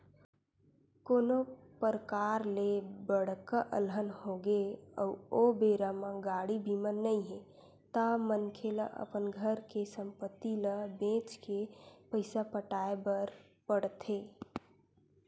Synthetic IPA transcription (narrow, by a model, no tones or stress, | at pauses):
konopəɾəkaɾlebəɽ̤kəʔə̰lɦənhoɡeə̰uobeɾamə̃ɡaɽibʱimənːəĩɦe | t̪amənkʰeləʔə̰pənɡʱəɾkesəmpət̪ːiləbẽt͡ʃkepəɪsapəʈaebəɾ | pəɽt̪ʰe